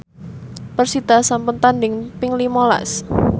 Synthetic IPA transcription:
pərsid̪̥asampʊnt̪andɪŋpɪŋlimola̰s

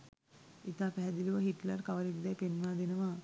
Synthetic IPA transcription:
it̪aːpæɦɛd̪iluʋəɦiʈlaɾkaʋəɾekd̪ɛjpenʋaːd̪enəʋa

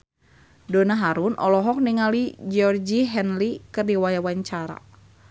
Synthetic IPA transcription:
dɔnaɦaɾunʔɔlɔɦɔk̚niŋalid͡ʒɔrd͡ʒiɦɛnlikɨrdiwajawaɲt͡ʃaɾa̰

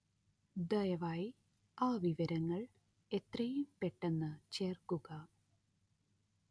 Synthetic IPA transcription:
d̪ɐjɐʋaːji | aːʋiʋɐɾɐŋːɐɭ | e̞t̪rɐjumpe̞ʈːe̞nːɨt͡ɕe̞ːrkuɣɐ

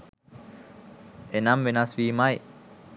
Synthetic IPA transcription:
enambenaswimaj

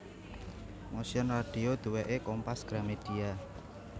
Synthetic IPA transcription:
mosjənraɖ̥i̤od̪̥uweʔekɔmpasɡ̥ɾamed̪̥ia

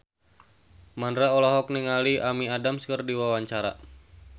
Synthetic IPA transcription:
mandɾaɔlɔɦɔk̚niŋaliamiadamskərdiwawaɲt͡ʃaɾa̰

